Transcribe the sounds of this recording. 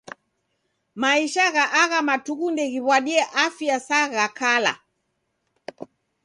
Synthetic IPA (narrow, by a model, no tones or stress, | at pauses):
maiʃaɣaʔaɣamatuɣundɛɣiβwaɗiɛʔafjasaɣakala̰